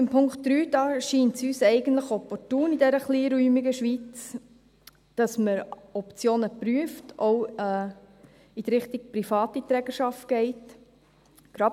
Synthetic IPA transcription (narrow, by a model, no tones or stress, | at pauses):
ɪmpʰʊŋkt̚d̥ɾyːdɑʃiːntsyːsɛɪɡən̩tləχɔpɔrtuːnidɛɾəχliːɾyːmiɡəʃʋit͡s | d̥ɑsməɾɔpt͡sjoːnəpɾyəftʔowɛ | id̥̪ɾɪχtik̚pɾifɑːtit̪ɾɛːɡəʃɑft̚ɡ̥ɛɪt | ɡ̥ɾɑ